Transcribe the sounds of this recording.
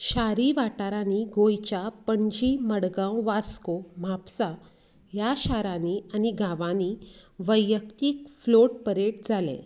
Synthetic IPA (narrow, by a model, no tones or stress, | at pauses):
ɕaɾiʋaʈaɾãniɡojt͡ɕapəɳd͡ʑiːməɽɡãwʋaskom̤apsa | jaɕaɾanianiɡʱaʋãniʋəjəkt̪iːk̚floʈ̚pəɾeʈd͡zʱalḛ